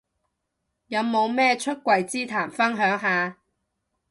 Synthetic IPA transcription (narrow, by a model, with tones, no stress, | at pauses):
jɐ˨˧wmo˨˧wmɛː˥t͡ʃʰɵ˥t̚kʷɐ˨˧jt͡siː˥t̪ʰaː˨˩mfɐ˥nɦœː˨˥ŋɦaː˨˧